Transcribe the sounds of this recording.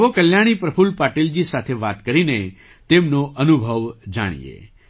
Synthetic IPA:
ʋokəljaɽ̃ipɾəpʰulpaʈild͡ʒisat̪ʰeʋat̪kəɾine | t̪emnoʔənubʱəʋd͡ʒa̰ɽ̃ḭḛ

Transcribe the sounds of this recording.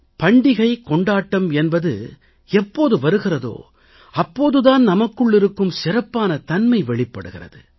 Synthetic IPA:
pɐɳɖɪɣɐɪkɔɳɖaːʈːɐmɛnbɐðɯ̰ | ɛpːoːðɯʋɐɾɯɣɪrɐðo̰ː | ɐpːoːðɯðaːnnɐmɐkːɯɭːɪɾɯkːɯmsɪɾɐpːaːnɐt̪ɐnmɐɪʋɛɭɪpːɐɽɯɣɪrɐ̰ðɯ̰

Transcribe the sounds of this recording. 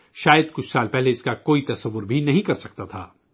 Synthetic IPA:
ʃaːjəd̪kʊt͡ʃʰsaːlpɛɦleɪskakoːit̪ɐsɐʋːʊɾbʱinɐɦĩkɐɾsɐk̚t̪at̪ʰa̰ː

